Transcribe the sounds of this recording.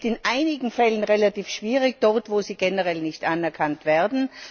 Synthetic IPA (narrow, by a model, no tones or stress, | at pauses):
tɪnʔaɪnɪɡŋ̩fɛlənʁelatiːfʃv̥iːʁɪd̥ɔʁtvoːziːɡ̥ɛnəʁɛlnɪçtʔanɛɐkʰantv̥ɛɐdn̩